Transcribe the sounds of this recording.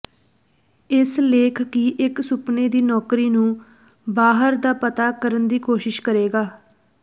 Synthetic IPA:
ɪsleːkʰkiʔɪksʊpneːd̪iːnɔːkɾiːnũː | baːɦəɾd̪aːpət̪aːkəɾənd̪iːkoːʃɪʃkəɾeːɡaː

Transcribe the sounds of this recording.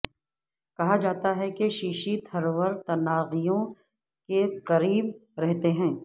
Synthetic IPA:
kɐɦad͡ʒaːt̪aɦɛkeʃiːʃit̪ʰɐɾwəɾt̪ɐnaːɣijõ | keqɐɾiːb̚ɾɛɦt̪eɦɛ̃ː

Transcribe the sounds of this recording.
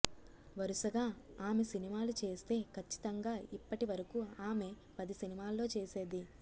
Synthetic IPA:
ʋɐɾuʃɐɡaːaːme̞sinimaːlut͡ʃe̞ːst̪e̞ːkʰɐt͡ʃːi̥t̪ɐŋɡaːipːɐʈiʋɐɾɐkuaːme̞ | pɐd̪isinimaːlːo̞ːt͡ʃeːse̞ːd̪i

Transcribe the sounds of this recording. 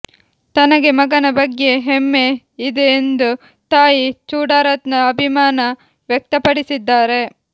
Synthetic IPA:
t̪ɐnɐɡe̞mɐɡɐnɐbɐɡːe̞ɦemːe̞ | id̪eːnd̪u | t̪aːjit͡ʃuːɽaːɾɐt̪nɐːbʱimaːnɐ | ʋjɛk̚t̪ɐpɐɽisid̪ːaːɾe̞

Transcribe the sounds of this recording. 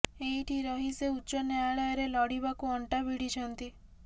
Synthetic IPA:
eɦiʈʰiɾɔɦiseuːt͡ʃɔnaaɭɔjɔɾelɔɽiβakuɔɳʈabiɽit͡ʃʰɔnt̪i

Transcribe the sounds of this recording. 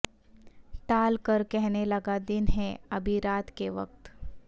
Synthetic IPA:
ʈaːlkəɾkɛɦnelɐɡad̪ɪnɦɛɐbʱiɾaːt̪keʋɐ̰k̚t̪

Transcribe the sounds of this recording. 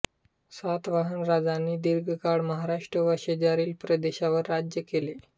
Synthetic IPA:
sat̪ʋaɦənɾad͡zanːiːd̪iɾɡʱəkaɽməɦaɾaʂʈɾəʋəɾɕed͡ʑaɾiːlpɾəd̪eɕaʋəɾːad͡ʑjəkele

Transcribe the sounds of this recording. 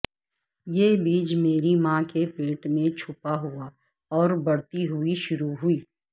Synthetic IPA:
jeːbiːd͡ʒmeːɾimãkepeːʈmẽt͡ʃʰʊpaɦʊa | ɔːɾbɐɽt̪iɦʊiʃʊɾuɦʊiː

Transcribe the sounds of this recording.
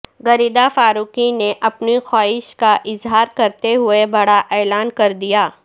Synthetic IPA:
ɡɐɾiːd̪afaːɾuːkineʔɐpnixaːɪʃkaʔɪzɦaːɾkɐɾt̪eɦʊebɐɽaʔɛːlaːnkɐɾd̪ijaː

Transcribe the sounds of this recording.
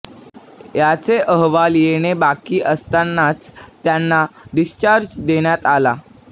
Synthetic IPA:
jat͡seʔəɦʋaljenebakiːʔəst̪anːat͡st̪janːaɖist͡ɕaɾd͡ʑd̪eɳjat̪ala

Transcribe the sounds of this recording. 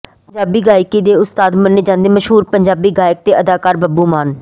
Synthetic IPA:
pəɲd͡ʒaːbiːɡaːjkiːd̪eːʊst̪aːd̪mənːeːd͡ʒãːnd̪eːməʃɦuːɾpəɲd͡ʒaːbiːɡaːjɪk̚t̪eːʔəd̪aːkaːɾbəbuːmaːn

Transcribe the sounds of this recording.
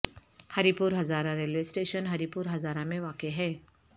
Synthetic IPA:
hɐɾipuːɾɦɐzaːɾãɾeːlʋeːsʈeːʃənɦɐɾipuːɾɦɐzaːɾamẽʋaːkeɦɛː

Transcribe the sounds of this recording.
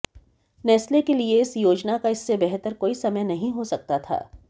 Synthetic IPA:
nɛːslekelieɪsjoːd͡ʒnakaɪsːebɛɦt̪əɾkoːisɐməjnɐɦĩɦosɐk̚t̪at̪ʰa̰ː

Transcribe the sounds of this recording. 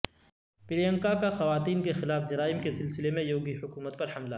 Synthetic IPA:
pɪlijə̃ŋkakaxɐʋaːt̪iːnkexɪlaːfd͡ʒɐɾaːɪmkesɪlsɪlemẽjoːɡihʊkuːmət̪̚pɐɾhɐmla

